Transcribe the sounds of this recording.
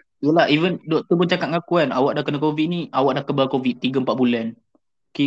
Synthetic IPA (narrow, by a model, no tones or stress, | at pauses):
jəlahivəndɔk̚t̪əbət͡ʃakat̪̚ŋakuanawaʔdahkənəkovit̪̚nĩʔawaʔdahkəbalkovit̪̚ːiɡəəmpaʔ̪̚bulɛn | ke